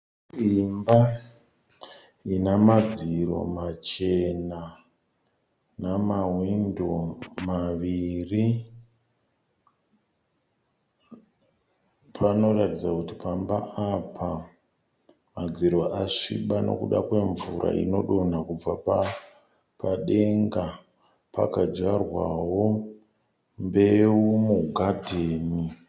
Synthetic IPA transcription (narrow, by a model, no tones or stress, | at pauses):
imba | inamad͡ziɾo̞̰mat͡ʃe̞na | namawindomaʋiri | pʰano̞ratid͡zakutipambaapʰa | mad͡ziɾoʔaʂiɓano̞̰kuɗakwe̞ɱvuɾʔa̰ḭno̞ɗo̞nakub͡vapa | paɗe̞ŋɡa | pa̰kad͡ʒarwawo̞ | mbe̞umuɡʱadʱeːni